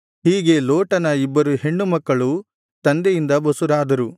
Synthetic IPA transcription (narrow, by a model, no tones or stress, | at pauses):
hiːɡe̞loːʈɐnɐibːɐɾuɦe̞ɳːumɐkːɐɭu | t̪ɐnd̪ejind̪ɐbɐsuɾaːd̪ɐɾu